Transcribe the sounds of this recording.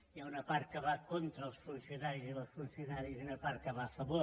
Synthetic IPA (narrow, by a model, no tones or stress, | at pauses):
jaunəpaɾt̪̚kəβakont̪ɾəːlˠsfunsiunaɾiziləsfunsiunaɾiziunəpaɾt̪̚kəβaəfəβo